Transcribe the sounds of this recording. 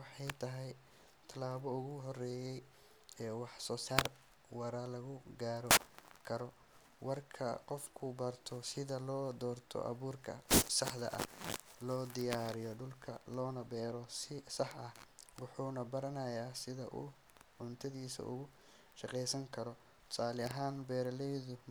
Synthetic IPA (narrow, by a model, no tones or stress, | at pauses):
wɑħɑjt̪ʰɐɦɛj | t̪ʰɐlaːβɔʊɣʊɦɔrɛːjɛj | ɛːwɑħsɔːsaːr | wɐɾalɐɣʊɡaːɾɔkʰɐɾɔ | wɐrkʰɐ̰qɔfkʰʊbɐrt̪ʰɔsɪðɐlɔːd̪ɔːrt̪ʰɔ̰ʔɐ̰βuːrkʰɐ̰sɑħd̪ɐ̰ʔɐ̰lɔːd̪ɪjaːɾɪjɔɖʊlkʰɐ̰lɔːnɐbɛːɾɔɪsɑħɐhwɑħuːnɐbɐɾɐnɐjaːsɪðɐ̰ʔʊ̰ | ʕʊnt̪ʰɐðiːsɐ̰ʔʊ̰ɣʊ | ʃɑqɛjsɐŋkʰɐɾɔ | t̪ʰsʰaːlɪɐɦaːnbɛːɾɐlɛjðʊ